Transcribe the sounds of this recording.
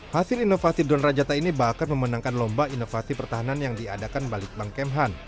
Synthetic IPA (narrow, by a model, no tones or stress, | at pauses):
hasɪlinofasidɔnrad͡ʒat̪ainibakarməmənaŋkanlɔmbainofasipərt̪aɦananjaŋdiadakanbalɪk̚baŋkɛmɦan